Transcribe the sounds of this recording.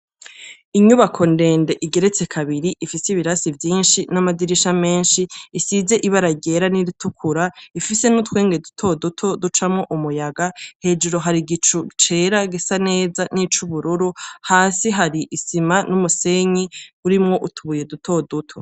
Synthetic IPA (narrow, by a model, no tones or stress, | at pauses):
iɲuβakʰo̞nde̞ːnde̞ʔiɡe̞ɾe̞t͡se̞kʰaβiɾiʔifisiβiɾasivjiːnʃinamadiɾiʃame̞ːnʃiːsize̞ʔiβaɾaɟe̞ːɾaniɾitukʰuɾaifise̞nutwe̞ːŋɡe̞dutʰo̞dutʰo̞dut͡ʃamŋo̞ʔumujaɡahe̞d͡ʒuɾo̞ɦaɾiɡit͡ʃut͡ʃe̞ɾaɡesane̞ːzanit͡ʃuβuɾuɾuhaːsiɦaɾiʔisimanumuse̞ɲiβuɾimŋo̞ʔutʰuβuje̞dutʰo̞dutʰo